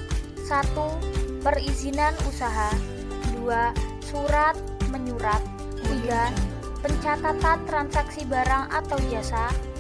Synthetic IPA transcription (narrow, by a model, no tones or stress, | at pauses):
sat̪upərizinanusaɦa | duasuɾat̪̚məɲuɾat̪̚ | t̪iɡa | pəɲt͡ʃat̪at̪ant̪ɾansaksibaɾaŋa̰t̪awbiasa